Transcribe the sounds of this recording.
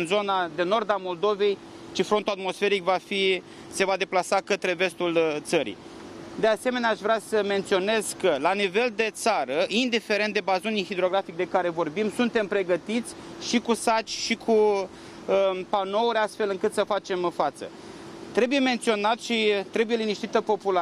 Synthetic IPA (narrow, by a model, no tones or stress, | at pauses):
ɨnzo̞nad̪e̞no̞rd̪amo̞ld̪o̞ve̞j | t͡ʃifɾont̪uat̪mo̞sfe̞ɾikvafi | se̞vad̪e̞plasakət̪ɾe̞ve̞st̪ult̪səɾḭ | d̪e̞ase̞me̞neaʃvɾeasəme̞nt̪sio̞ne̞z̥kəlanive̞ld̪e̞t̪saɾəind̪ife̞ɾent̪d̪e̞bazunixid̪ɾo̞ɡɾafik̚d̪e̞kaɾe̞vo̞rbimsunt̪e̞mpɾe̞ɡət̪it̪sʲʃikusat͡ʃʲʃikʰu | əpano̞uɾʲast̪fe̞lɨŋkɨt̪səfat͡ʃe̞mfat̪sə̰ | t̪ɾe̞buje̞me̞nt̪sio̞nat̪ʃit̪ɾe̞buje̞liniʃt̪it̪əpo̞pula